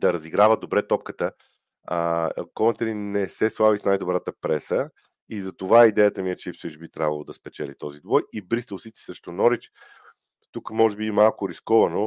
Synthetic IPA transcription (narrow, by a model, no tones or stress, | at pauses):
d̪ɐɾɐziɡɾavəd̪obɾɛt̪ɔp̚kət̪ə | kɔnt̪ɛɾinɛsɛslˠavisnajd̪obɾat̪əpɾɛsə | izɐt̪ovaɛid̪ɛjət̪əmiɛt͡ʃɛfsit͡ʃbit̪ɾʲavɐəlˠod̪ɐspɛt͡ʃɛlit̪ɔzid̪vɔjibɾist̪əlˠsit̪ɛ̥sɾɛʃt̪onɔɾit͡ʃ | t̪ukmɔʒɛbiːmalˠkʊɾiskɔvɐno